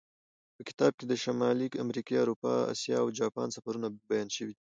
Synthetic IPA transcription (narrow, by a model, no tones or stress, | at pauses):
pəkɪ̥t̪ɑb̚ked̪əʃamɑlikamɾikiaɾupɑ̰a̰sjɑ̰awd͡ʒɑpɑ̰nsafaɾunabajɑnʃəwi